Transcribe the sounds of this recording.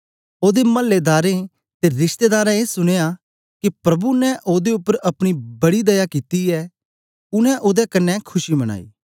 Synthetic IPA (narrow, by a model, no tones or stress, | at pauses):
oːd̪emɐlːed̪aːɾe | t̪eɾɪʃt̪eːd̪aːɾɛ̃eːsʊɽ̃eːja | kipɾɐbunɛ̃ʔoːd̪eʊpːəɾɐpɽ̃ibɐɽid̪ɐjakiːt̪iɛ | ʊnɛ̃ʔoːd̪ɛkɐnːɛ̃kʰʊʃimɐɽ̃a̰ːḭː